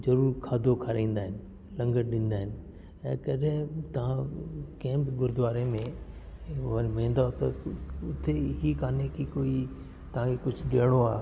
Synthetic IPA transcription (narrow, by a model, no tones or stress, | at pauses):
zɐɾuːɾkʰaːd̪ʱokʰaɾĩːn̆d̪aːɦɪnɪ̆ | lɐ̃ŋɡəɽɗĩːnd̪aːɦɪnɪ̆ | ɛ̃ːkɐɗɪ̃t̪ɐʋ̤ãkɐ̃ɦɪ̃bɪɡʊɾd̪ʊʋaːɾemẽ | ʋənmĩːn̆d̪aot̪ɐʊt̪ʰeɦikaːnekikoːi | t̪ɐʋ̤ãkʰekʊd͡ʑʱʊɗeːɽ̃oa̰ː